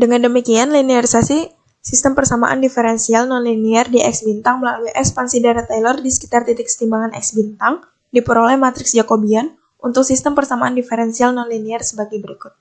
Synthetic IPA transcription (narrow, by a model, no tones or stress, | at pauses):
dəŋandəmikianliniaɾisasi | sist̪əmpərsama̰ʔa̰ndifəɾɛnsialnɔnliniardiʔɛksbint̪aŋbaaɡaʔɛkspansidaɾat̪ajlɔrdisə̥ki̥t̪art̪it̪ɪksə̥t̪imbaŋanɛ̰k̚sbint̪aŋ | dipəɾolɛhmat̪ɾɪksd͡ʒakobian | ʔunt̪ʊk̚sist̪əmpərsamaandifɛɾɛnsialnɔnliniarsəbaɡɛjbəɾikʊt̪̚